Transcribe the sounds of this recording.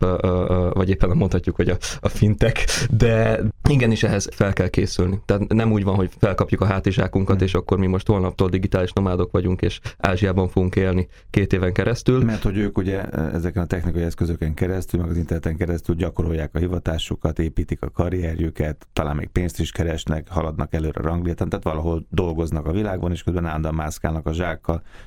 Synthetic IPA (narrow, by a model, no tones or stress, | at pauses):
vɒɟeːpːɛnmo̞nt̪hɒcːukho̞ɟɒɒfint̪ɛkd̪ɛiɡɛniʃɛɦɛz̥fɛlkɛlkḛːsylnit̪ɛaːt̪nɛmuːɟvɒnɦo̞cfɛlkɒpjukɒɦaːt̪iʒaːkuŋkɒt̪eːʃɒkːo̞rmimo̞ʃt̪ho̞lnɒp̚t̪oːld̪iɡit̪aːliʃno̞maːd̪o̞kʋɒɟuŋkeːʃa̰ːʒijaːbɒɱfoɡuŋkeːlni | keːt̪eːvɛŋkɛɾɛst̪ylmɛrt̪ho̞ɟøːkuɟɛɛ̰zɛkɛnɒt̪ɛxnikɒjiɛskøzøkɛŋkɛɾɛst̪ylmɛɡɒzint̪ɛrnɛt̪ɛŋkɛɾɛst̪ylɟɒkoɾo̞jːaːkɒɦivɒt̪aːʃukɒt̪eːpiːt̪ikɒkɒɾijɛɾjykɛt̪ːɒlaːmːḛːk̚peːnst̪iʃkɛɾɛʃnɛkhɒlɒd̪nɒkɛløːɾɛ̰ɾɒŋɡlijɛt̪ant̪aːt̪ʋɒlɒɦo̞ld̪o̞lɡo̞znɒkɒvilaːɡbɒneːʃkøzbɛnand̪ɒmaːska̰ːnɒkɒʒaːkːɒl